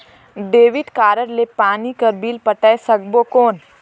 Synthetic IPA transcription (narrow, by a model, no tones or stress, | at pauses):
d̪eːʋɪt̪kaːɾəɾlepaːnikɐɾbiːlpɐʈəesɐɡ̚bokoːn